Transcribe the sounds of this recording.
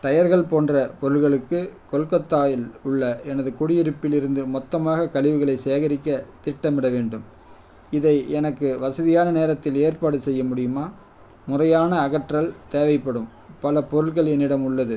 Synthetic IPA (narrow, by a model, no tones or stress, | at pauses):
ʈ̪ɐjɐɾɣɐɭpoːndrɐpɔɾɯɭɣɐɭɯkːɯkɔlkɐt̪ːaːjɪlʊɭːɐɛnɐðɯkʊɽɪjɪɾɯpːɪlɪɾɯnd̪ɯmɔt̪ːɐmaːɣɐkɐɭɪʋɯɣɐɭɐɪseːɣɐɾɪkːɐt̪ɪʈːɐmɪɽɐʋeːɳɖɯm | ɪðɐɪɛnɐkːɯʋɐsɐðɪjaːnɐneːɾɐt̪ːɪleːrpaːɽɯsɛjːɐmʊɽɪjɯmaː | mʊrɐjaːnɐːɣɐʈrɐlt̪eːʋɐɪpːɐɽɯm | pɐlɐpɔɾɯɭɣɐɭɛnːɪɽɐmʊɭːɐðɯ